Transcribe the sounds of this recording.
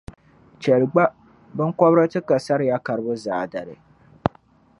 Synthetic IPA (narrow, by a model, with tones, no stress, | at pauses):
t͡ʃɛ˨lɡ͡ba˦ | bɨ˦ŋkɔ˦bɾɨ˦tɨ˦ka˨sa˦ɾɪ˨ja˦ka˨ɾɨ˦bʊ˦zaː˨da˨ɾɨ̰˨